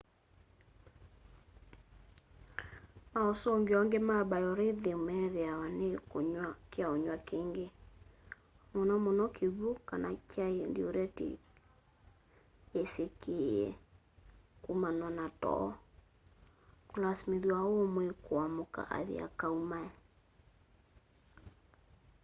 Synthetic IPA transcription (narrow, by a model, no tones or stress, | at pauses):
maɔsɔŋɡeɔŋɡemabajɔɾeðemɛðeawanekoɲwakeaoɲwakeŋɡe | monɔmonɔkʰeɣokanakaendioɾɛtḛ | esekeɛ̰ | kumanwanatɔ̰ | kolasmeðwaomwekoamoka̰ʔa̰ðḛa̰kaumaɛ